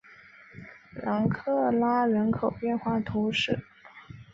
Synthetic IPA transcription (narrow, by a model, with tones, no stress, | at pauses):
ɻɑ˧˥ŋkʰɤ˥˩la˥ɻə˧˥nkʰo˨˩ʊpjɛ˥˧nxwa˥˩t̪ʰo˧˥ʊʂɻ̩˥˩